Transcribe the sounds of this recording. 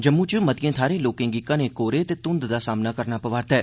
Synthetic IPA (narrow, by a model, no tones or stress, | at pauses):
d͡ʒəmːũt͡ʃumət̪ijẽːt̪ʰaːɾẽloːkẽŋɡikːãnekoːɾet̪et̪ʊ̃nd̪d̪asaːmnakəɾnapəʋaːɾt̪ɦɛː